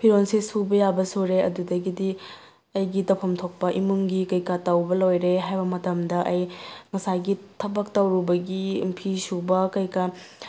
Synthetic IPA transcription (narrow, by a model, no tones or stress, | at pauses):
pʰiɾonsisubɐjabɐsuɾeɐdudɐɡidi | ɐjɡitɐpʰɐmtʰok̚pɐʔimuŋɡikɐjkatɐwbɐlojɾeɦajbɐmɐtɐmdɐʔɐjmɐsaɡitʰɐbɐk̚tɐwɾubɐɡimpʰisubɐkɐjka